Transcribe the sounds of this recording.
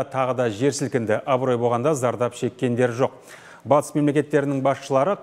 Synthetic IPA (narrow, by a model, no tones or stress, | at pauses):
t̪ʰɑʁəd̪ɑʒe̞ɾsɪlkʲɪnd̪ɪʔɑbɾo̞jbo̞lʁɑnd̪ɑzɑɾd̪ɑpʃe̞kʲːe̞nd̪e̞ɾʒo̞q̚ | bɑt̪ə̥sme̞mle̞kʲe̞t̪ːe̞ɾɪnɪŋbɑsʃəlˠɑɾəq